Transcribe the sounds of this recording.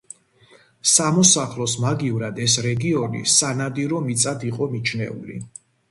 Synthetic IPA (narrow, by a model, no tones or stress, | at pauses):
samɔsaχlˠɔsmaɡivɾad̪ɛsɾɛɡiɔnḭsanad̪iɾɔmit̪sʼad̪iqʼɔmit͡ʃʰnɛ̰ṵlḭ